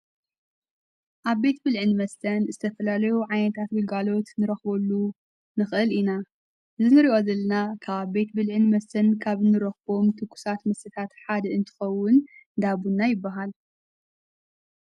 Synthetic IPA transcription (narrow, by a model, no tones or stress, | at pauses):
ʔaβbe̞t̪bɨlʕɨnmɐst̪ʰɐnzɨt̪ʰɐfɐlalɐjuʕajnɐt̪ʰat̪wɨɡalo̞t̪nɨɾɐxbɐlːu | nɨxʔɨlina | ʔɨzɨnɨɾiʔo̞zɐlːɐnakʰaβabe̞t̪bɨlʕɨnmɐst̪ʰɐnkʰaβnɨɾɐxbo̞mt̪ʰɨkʰːu̥sat̪mɐsɨt̪ʰat̪ħad̪ɐɨnt̪ʰɨ̥xɐwːʊnd̪abunːajɪbːaɦal